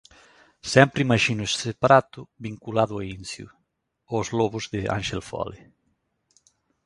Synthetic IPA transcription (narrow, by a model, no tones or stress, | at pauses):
sɛmpɾimɐʒinʊessepaɾat̪ʊβiŋkulaðʊainsjṵ | ozlɔβʊzðɪa̰nʃelfɔ̰le